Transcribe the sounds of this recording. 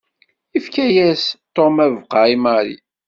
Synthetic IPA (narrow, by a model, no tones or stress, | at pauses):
ifkæjæst̪omævqɑimaɾḭ